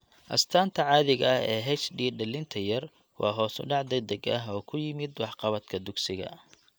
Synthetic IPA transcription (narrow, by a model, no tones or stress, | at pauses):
ʔɐ̰st̪ʰaːnt̪ʰɐʕɑːðɪɣɐhɛːɦɛt͡ʃɖiːɖɐlɪnt̪ʰɐjɐr | wɑːɦɔːsʊ̰ɖɑʕd̪ɐd̪ɐɡɐɦɔːkʰʊjɪmɪd̪wɑħqɑβɐd̪kʰɐd̪ʊɡsɪɣɐ̰